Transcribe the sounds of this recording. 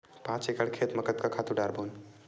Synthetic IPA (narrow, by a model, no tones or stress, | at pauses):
pãːt͡ʃekəɽkʰeːt̪məkət̪̚kakʰaːt̪ũɖaɾboːn